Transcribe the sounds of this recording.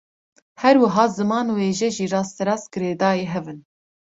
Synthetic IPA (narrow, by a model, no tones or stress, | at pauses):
hɛɾwɨɦɑːzɨmɑːnweːʒɛʒiːɾɑːst̪ʰɛɾɑːsɡ̥ɨɾeːd̪ɑːjeːɦɛvɨn